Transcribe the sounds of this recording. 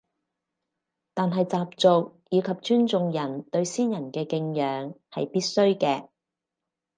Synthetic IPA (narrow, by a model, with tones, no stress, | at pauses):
t̪aː˨nɦɐ˨jt͡saː˨p̚t͡sʊ˨k̚jiː˨˧kʰɐ˨p̚t͡ʃyː˥nt͡sʊ˧ŋjɐ˨˩nt̪ɵ˧ɥsiː˥njɐ˨˩nkɛː˧kɪ˧ŋjœː˨˧ŋhɐ˨jpiː˥t̚sɵ˥ɥkɛː˧